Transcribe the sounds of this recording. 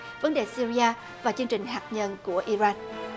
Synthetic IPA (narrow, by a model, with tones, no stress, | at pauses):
və˨˦nɗe˨˩si˧ɾi˧aː˧ | vaː˨˩t͡ɕɨ˧əŋt͡ɕï˨˩ŋ̟ɦaː˨˩k̚ɲə˧nku˧˩əʔi˧zaː˧n